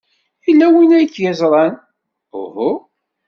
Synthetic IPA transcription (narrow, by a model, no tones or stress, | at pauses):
ilːæwinæjkːjæzɾˤɑn | ʊ̰hʊ